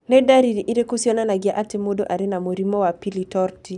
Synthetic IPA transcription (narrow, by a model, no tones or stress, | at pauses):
nɛdaɾiɾiʔiɾekosjɔnanaɡɪaʔatemodoʔaɾenamoɾimɔwapilitɔɾti